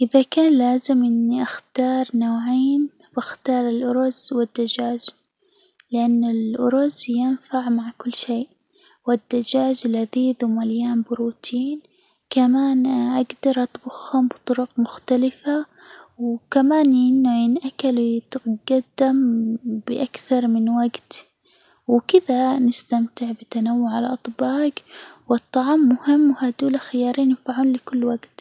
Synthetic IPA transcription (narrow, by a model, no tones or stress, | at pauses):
ʔɪðakaːnlaːzɪmʔɪnːiʔaxt̪ɑːɾˤnaːʕeːn | b̥axt̪ɑːɾˤɪlʔʊɾʊzwɪd̪ːad͡ʒaːd͡ʒ | lɪʔanːɪlʔʊ̰ɾʊzjɪnfaʕmaʕkʊlːʃeːʔ | wɪd̪ːad͡ʒaːd͡ʒalaðiːðumaljaːnbʊɾuːt̪ʰiːn | kamaːnʔaɡd̪ɑɾˤʔɑt̪bʊxhʊmbɨt̪ˤʊɾʊqmʊxt̪alɪfa | wkamaːnʔɪnːʊʔɪnʔakalwt̪ɡad̪ːambɪʔakθɑɾˤmɪnwaɡt̪ | wkɪðanɪst̪amt̪ɪʕbɪt̪anawːʊʕalʔɑt̪ˤbɑːɡwɨt̪ˤːɑʕmːʊhɪmːwhad̪uːlaxɪjɑːɾˤiːnjɪmfaʕuːnlɪkʊlːwaɡt̪